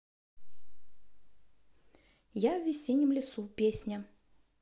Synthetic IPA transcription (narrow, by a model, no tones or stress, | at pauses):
javːʲɪsʲenʲjɪmlʲɪsupʲesʲnʲə